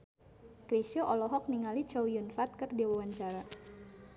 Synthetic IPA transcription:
kɾiʃoʔɔlɔɦɔk̚niŋalit͡ʃowjunfat̪̚kɨrdiwawaɲt͡ʃaɾa

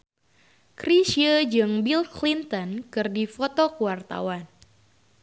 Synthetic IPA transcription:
kɾisiəd͡ʒɨŋbilklint̪ɔnkɨrdifot̪okəwart̪a̰wan

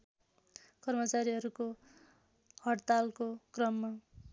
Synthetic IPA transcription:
kʌrmʌt͡saɾiɦʌɾuko | hʌɽt̪alkokrʌmːa

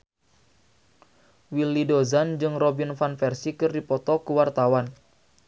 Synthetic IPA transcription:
wilːidozand͡ʒɨŋrobinfanfɛrsikɨrdipɔt̪ɔkəwart̪awan

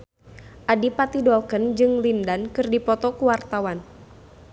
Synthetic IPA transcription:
ʔadipat̪idɔlkənd͡ʒɨŋlindankɨrdipɔt̪ɔkuwart̪awan

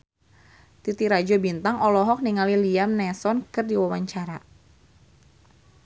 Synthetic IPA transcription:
t̪it̪iɾad͡ʒɔbint̪aŋʔɔlɔɦɔk̚niŋaliliamnɛsɔnkɨrdiwawaɲt͡ʃaɾa

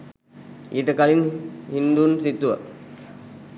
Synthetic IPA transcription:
iʈəkalinhind̪unsit̪uʋə̰

